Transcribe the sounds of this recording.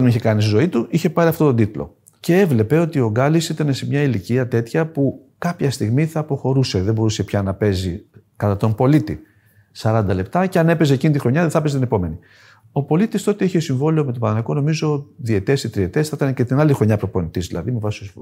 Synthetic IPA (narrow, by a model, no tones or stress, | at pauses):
ɐnmeiçekɐnist̪izo̞it̪uʔiçe̞pɐɾiɐft̪ot̪od̪it̪lo̞̰ | ce̞evle̞pe̞o̞t̪io̞ɡɐlisit̪ɐne̞se̞mɲɐiliciɐt̪e̞t̪çɐpu | kɐpçɐst̪iɣmiθɐːpo̞xo̞ɾuse̞ðembo̞ɾuse̞pçɐnɐpe̞zi | kɐt̪ɐt̪o̞mpo̞lit̪ḭ | sɐɾɐnd̪ɐle̞p̚t̪ɐceɐne̞pe̞z̬ecinit̪ixɾo̞ɲɐðeθɐpeset̪ine̞po̞me̞ni | o̞po̞lit̪ist̪o̞t̪eeçieosiɱvo̞liomet̪opɐnɐnɐko̞no̞mizo̞ðie̞t̪e̞sit̪ɾie̞t̪esθit̪ɐnece̞t̪inɐlixɾo̞ɲɐpɾo̞po̞nit̪izðilɐ̰ðimevɐsi̥st̪osiv